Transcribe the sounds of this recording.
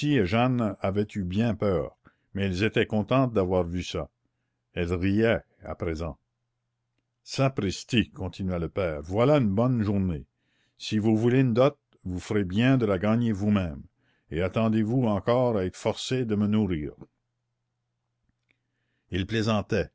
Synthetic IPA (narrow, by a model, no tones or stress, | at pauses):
sieʒanavɛt̪ybjɛ̃pœːʁ | mɛɛlzet̪ɛkɔ̃t̪ɑ̃t̪̚d̪avwaːʁvysa̰ | ɛlʁijɛ | a̰pɾezɑ̰̃ | sapɾist̪ikɔ̃t̪inyɥaləpɛːʁvwalaynbɔnʒuʁne | sivuvuleynd̪ɔt̪̚ | vufəɾebjɛ̃d̪əlaɡaɲevumɛ̃m | eat̪ɑ̃d̪evuɑ̃kɔːʁaɛt̪ʰfɔʁsed̪əmənuʁiːʁ | ilplezɑ̃t̪ɛ